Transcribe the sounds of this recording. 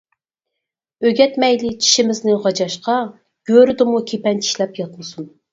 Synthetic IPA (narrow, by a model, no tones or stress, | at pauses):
øɡʲɛt̪mɛjlɪt͡ʃʰi̥ʃɪmɪznɪʁɑd͡ʒɑʃqɑ | ɡ̥ʲøɾɪd̪ɪmukʲʰepɛnt͡ʃʰi̥ʃlɛpjɑt̪mɨsun